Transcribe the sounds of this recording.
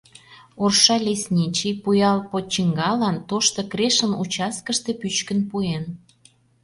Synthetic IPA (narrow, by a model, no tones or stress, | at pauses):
orʃɑlʲesʲnʲit͡ɕijpujɑlpot͡ɕiŋɡɑlɑnt̪oʃt̪okreʃənut͡ɕɑskəʃt̪epyt͡ɕkənpuen